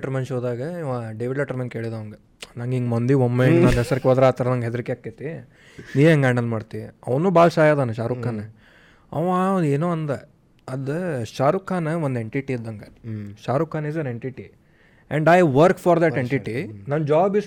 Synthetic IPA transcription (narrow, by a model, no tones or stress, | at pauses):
ʈɐɾmensoːd̪aːɡɐaɖeʋiɐʈɐɾmenʈkeːɭid̪ɐʋɐŋɡe | naːŋɡiŋɡmond̪iomːenɐnɦɛsɐɾikeɔd̪ɾaːt̪ɐɾɐnɐŋɡɦed̪ɐɾikeaːkːit̪ːi | niːʋeɐŋɡaːɳɐlmaːɖt̪iiɐʋɐnuːbaːlʃaːjaːd̪aːnɐʃaːɾukːaːne | ɐʋaeːnoːɐnd̪e | ɐd̪ʃaːɾukaːnond̪e̞ɳʈiʈiid̪ːɐŋɡɐʃaːɾukaːnisɐneɳʈiʈi | ɛɳɖajʋɐɾkfʰaːɾd̪ɐʈeɳʈiʈinɐnd͡ʒaːbis